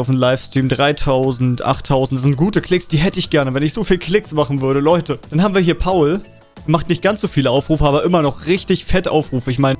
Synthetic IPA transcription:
aʊfmlaɪfstʁ̥iːmdʁaɪtʰaʊzn̩tʔa̰χtʰːaʊzn̩tsz̥ɪnt̚ɡ̥uːtəkʰlɪksd̥iːɦɛtəɪçɡ̥ɛɐnəvɛnɪçz̥oːfiːlkʰl̥ɪksmaχn̩vʏɐɾəlɔʏtəd̥anhaːm̩viːɐɦiːɐpʰaʊl | maχtnɪçt̚ɡ̥ant͡sz̥oːfiːləʔaʊfʁ̥uːfəʔaːbɐʔɪmɐnɔχʁɪçtɪçfɛtəʔaʊfʁ̥uːfəɪçmaɪnə

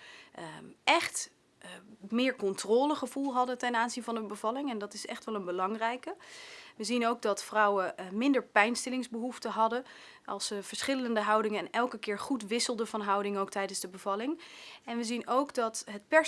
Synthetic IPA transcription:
ʔɛχt | mɪːɹkɔntrɔːləχəvulˠɦɑdətɛnaːnzinvɑndəbəvɑlɪŋɛndɑtɪsɛ̰χtʋɛlˠənbəlɑŋrɛjkəʋəzinowɡ̚dɑtfrʌwəmɪndəɹpɛjnstɛlɪŋzbəɦuftəɦɑdə | ʔɑ̰lˠsəv̥əɹsχɪləəndəɦʌwdɪŋəɛnɛlˠkəkɪːɹχutʋɪsəlˠdəvɑnɦʌwdɪŋowk̚tɛjdənzdəbəvɑlɪŋɛnʋəzinowɡdɑtɦət̚pɛ

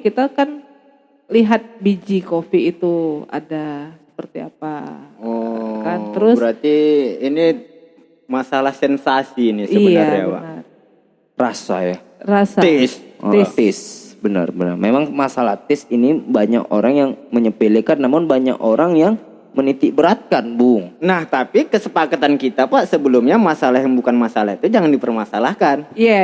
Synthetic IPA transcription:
kit̪akan | liɦat̪̚bid͡ʒikofiːt̪ua̰dasə̥pərt̪ia̰paɔkanəɾʊsbəɾart̪iini | masalahsɛnsasinɪsəibənaaɾjaba̰nər | rasa̰ja | rasaɪst̪ɪsbənə̰rbənə̰rmemaŋmasalaht̪ɪsinibaɲa̰ko̰ɾaŋjaŋməɲəpilikanːamʊnbaɲa̰koɾaŋjaŋ | mənit̪ibəɾat̪̚kanbʊŋnaht̪apikəsəpakat̪ankit̪apaʔsəbəlumɲamasalaɦjaŋbukanmasalaɦit̪ud͡ʒaŋandipərmasalahkanja

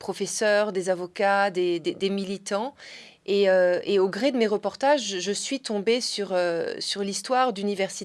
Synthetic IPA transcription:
pχɔfɛsœʁd̪ezavɔkad̪ed̪ed̪emilit̪ɑ̃ | eøeoɡʁed̪əmeʁəpɔʁt̪aʒʒəsɥit̪ɔ̃besyʁøsyʁlist̪waʁd̪ynivɛʁsi

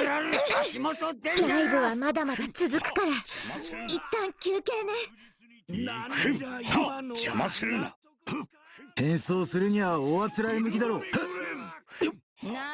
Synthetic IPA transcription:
ɕimot̪od̪ejaiɡoβamad̪amad̪at͡sɨzɨkɯ̟̥kaɾa | it̪ːãŋkʲɨːke̞ːne | d͡ʒamasɨɾɯna̰ | ẽ̞ɰ̃so̞ːsɨɾɯ̟ɲ̟iβaoβat͡sɨɾaimɯ̟kʲid̪aɾo̞ː

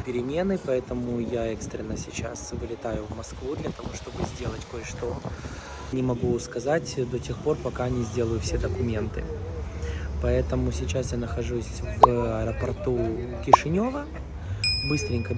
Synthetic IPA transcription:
pʲɪɾʲɪmʲe̞nɨpɐɛt̪əmʊjaɛkst̪ɾʲɪnːəsʲɪt͡ɕa̰svɨlʲɪt̪ajʊvmɐskvud̪lʲət̪ɐvo̞ʂt̪o̞bɨzʲdʲe̞lˠətʲko̞jəʂt̪o̞ | nʲɪmɐɡuskɐzatʲd̪o̞tʲe̞xpo̞rpɐkanʲɪzʲdʲe̞lˠəjʊfsʲe̞d̪əkʊmʲe̞nt̪ɨ̰ | pɐɛt̪əmʊsʲɪt͡ɕasjanəxɐʐusʲvɐɾəpɐrt̪ukʲɪʂɨnʲo̞və | bɨst̪ɾʲɪnʲkə

